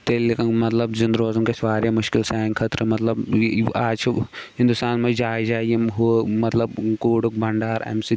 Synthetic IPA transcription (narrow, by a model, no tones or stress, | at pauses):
t̪eːlikɐmɐt̪lɐbd͡ʒind̪ɾoːzumkesʋaːɾjɐmʊʃkɪlsaːŋkʰɐt̪ɾɨmɐt̪lɐbaːt͡ʃʰɦĩnd̪ust̪aːnmɐd͡ʒaːd͡ʒaːijɐɦumɐt̪lɐbkoːɽuk̚bɐɳɖaːɾɐ̰msi